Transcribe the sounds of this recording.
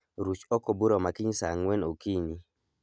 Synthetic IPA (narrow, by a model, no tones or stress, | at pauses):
ɾut͡ʃɔkobuɾomakiɲsa̰ŋwenokiɲi